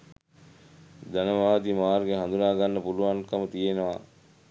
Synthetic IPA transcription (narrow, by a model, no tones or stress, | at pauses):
d̪ænəʋaːʋət̪imaːɾɡeɦand̪unaːɡanːəpuluʋankɐmət̪ijenoʋa̰